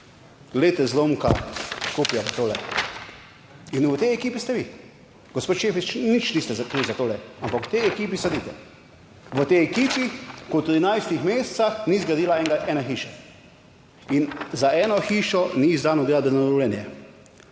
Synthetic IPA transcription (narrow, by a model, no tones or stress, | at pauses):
ɡleːt̪ɛzloːmka̰kopjazat̪oːlɛ | inʋət̪ɛjɛkiːpist̪ɛʋi | ɡ̥ospoːt̪ʃeːfit͡ʃnit͡ʃnist̪ɛzakɾiːwzat̪oːlɛampaku̥t̪ɛjɛkiːp̬isɛd̪it̪ɛ̰ | ʋət̪ɛjɛkiːpikɔt̪ɾinajst̪ixmeːst̪saxnizɡɾad̪iːlaɛŋɡaʔɛːnaxiːʃa | inzaʔɛːnɔxiːʃɔnizd̪aːnɔd̪eːlad̪ənaɾɔwlɛnjɛ